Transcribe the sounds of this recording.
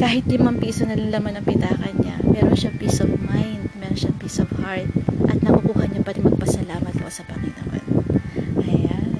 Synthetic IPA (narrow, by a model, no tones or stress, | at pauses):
kaːhɪt̪̚lɪmɐŋpiːsonɐlɪŋlɐmanɐŋpɪt̪aːkɐnɲa̰mɛːɾonʃapiːsovmajnd̪̚mɛːɾonʃaŋpiːsovhaɹt̪̚ʔɐ̰t̪̚nɐkukuːhɐɲopɐɾɪŋmɐɡ̚pɐsɐlaːmɐt̪̚posɐpɐŋɪnɐ̰ma̰nʔɐja